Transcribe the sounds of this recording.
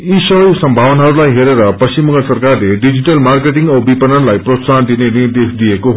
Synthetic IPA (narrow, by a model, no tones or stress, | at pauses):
isʌɦʌjsʌmbʱawʌnaɦʌɾulajɦeɾeɾʌpʌst͡ɕimːʌŋɡʌsʌrkarleɖid͡ʑiʈʌlmarkeʈiŋɡʌbipʌnʌnlajprot̪sand̪inenird̪esd̪iekoɦ